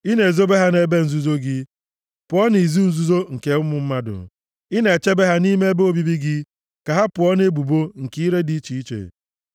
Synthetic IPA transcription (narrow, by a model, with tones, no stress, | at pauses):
i˦ne˨zo˦be˦ɦa˦ne˦be˦n̩˨zu˦zo˦ɡɪ˦ | pʊ˨ɔ˦ni˨zu˦n̩˨zu˦zo˦ŋ̩˨ke˨ʊ˦mʊ˨m̩˦ma˦dʊ̰˨ | i˦ne˨t͡ʃe˦be˦ɦa˦ni˦me˦e˦be˦o˨bi˦bi˦ɡɪ˦ | ka˨ɦa˦pʊ˨ɔ˦ne˦bu˨bo˦ŋ̩˨ki˦i˦ɾe˦di˦i˦t͡ʃi˨i˦t͡ʃḛ˨